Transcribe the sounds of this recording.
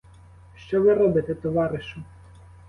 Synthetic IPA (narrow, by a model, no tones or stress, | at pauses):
ʃt͡ʃɔʋɪɾɔbɪt̪ɛt̪ɔʋɑɾɪʃʊ